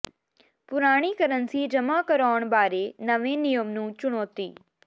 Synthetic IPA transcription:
pʊɾaːɽ̃ikəɾənsid͡ʒəmakəɾaːəɳ̃baːɾenəʋẽnijəmnũːt͡ʃʊɽ̃oːt̪iː

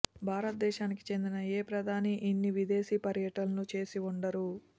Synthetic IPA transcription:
bʱaːɾɐt̪̚d̪ɛːʃaːniki̥t͡ʃe̞nd̪inɐeːpɾɐd̪ʱaːniʔinːiʋid̪e̞ːʃiːpɐɾjɐʈɐnɐnut͡ʃe̞ːsiuɳɖɐɾu

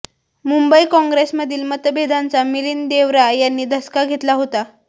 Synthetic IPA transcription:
mumbəikɔ̃ŋɡɾesməd̪ʱiːlmət̪əbed̪ʱant͡samiliːnd̪eʋɾajanːiːd̪ʱəskaɡʱet̪laɦot̪a

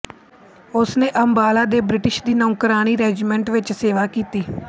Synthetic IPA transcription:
ʊsnẽːʔəmbaːlaːd̪eːbɾɪʈɪʃd̪iːnɔ̃ːkəɾaːñiːɾɛːd͡ʒimɛ̃ːɳʈʋɪt͡ʃseːʋaːkiːt̪iː

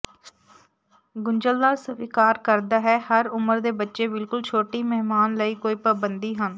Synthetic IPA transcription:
ɡʊɲd͡ʒəld̪aːɾsəʋiːkaːɾkəɾd̪aːɦɛːhəɾʊməɾd̪eːbətːʃeːbɪlkʊlt͡ʃʰoːʈiːmɛɦmaːnləiːkoːiːpəbənd̪iːɦən

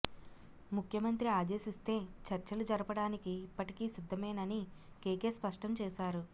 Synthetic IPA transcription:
mukʰjɐmɐnt̪ɾiaːd̪e̞ːʃist̪e̞ːt͡ʃɐɾt͡ʃɐlud͡ʒɐɾɐpɐɽaːnikiːpːɐʈikiːsid̪ʱːɐmɐjnɐni | keːkeːspɐʂʈɐmt͡ʃɛːʃaːɾu

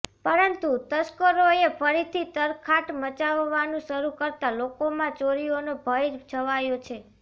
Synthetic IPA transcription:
pəɾənt̪ut̪əskəɾoefʰəɾit̪ʰit̪əɾkʰaʈmət͡ʃaʋːanũʃəɾukəɾt̪alokomãt͡ʃoɾionobʱəjd͡ʒʰəʋajot͡ʃʰe

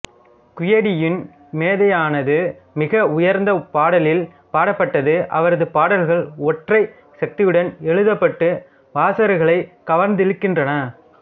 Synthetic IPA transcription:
kʊjɐɽɪjɪn | meːðɐjaːnɐðɯmɪɣɐʊjɐɾnd̪ɐpaːɽɐlɪl | paːɽɐpːɐʈːɐðɯʔɐ̰ʋɐɾɐðɯpaːɽɐlɣɐɭɔʈrɐɪ | sɐk̚t̪ɪjɯɽɐnɛɻɯðɐpːɐʈːɯ | ʋaːsɐɾɯɣɐɭɐɪkɐʋɐɾnd̪ɪɻɯkːɪndrɐnɐ

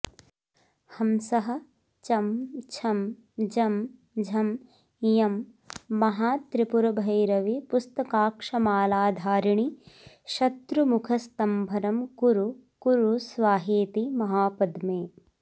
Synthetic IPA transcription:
hɐmsɐɦɐ̆ | t͡ʃɐmt͡ʃʰɐm | d͡ʒɐm | d͡ʒʱɐm | jɐmː | ɐɦaːt̪ɾipuɾɐbʱɐjɾɐʋipust̪ɐkaːkʂɐmaːlaːd̪ʱaːɾiɳi | ʃɐt̪ɾumukʰɐst̪ɐmbʱɐɾɐmkuɾukuɾusʋaːɦeːt̪imɐɦaːpɐd̪meː

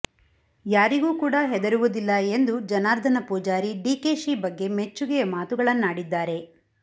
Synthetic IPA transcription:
jaːɾiɡuːkuːɽɐɦɛd̪ɐɾuʋud̪ilːɐend̪ud͡ʒɐnaːɾd̪ʱɐnɐpuːd͡ʒaːɾiɖiːkeːʂiːbɐɡːe̞me̞t͡ʃːuɡɛjɐmaːt̪uɡɐɭɐnːaːɽid̪ːaːɾe̞

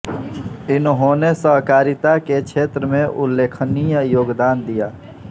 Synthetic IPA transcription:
ɪnɦõnesəɦkaːɾɪt̪akekt͡ʃʰeːt̪ɾəmẽʔʊlːeːkʰənijəjoːɡd̪aːnd̪ijaː

